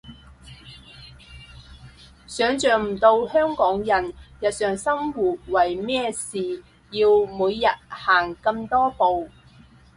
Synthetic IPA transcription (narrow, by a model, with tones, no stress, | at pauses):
sœː˨˧˥ŋt͡ʃœː˨ŋm̩˨˩t̪o˧whœː˥ŋkɔː˨˥ŋjɐ˨˩njɐ˨t̚sœː˨ŋsɐ˥mwuː˨t̚wɐ˨˩jmɛː˥siː˨ | jiː˧wmuː˨˧jjɐ˨t̚haː˨˩ŋkɐ˧mt̪ɔː˥po˨w